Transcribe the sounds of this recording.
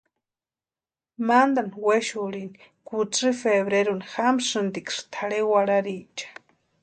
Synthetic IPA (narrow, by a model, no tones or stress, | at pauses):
mand̪aniweʃulinikut͡sɨfeβɾeɾunixamʂɨnd̪ikʂt̪ʰaɽewaɽaɾit͡ʃḁ